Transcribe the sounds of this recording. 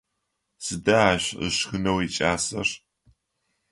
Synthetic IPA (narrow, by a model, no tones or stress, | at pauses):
sɨdɐaːɕə̰ʂxɨnɐwit͡ʃʼaːsɐ̰r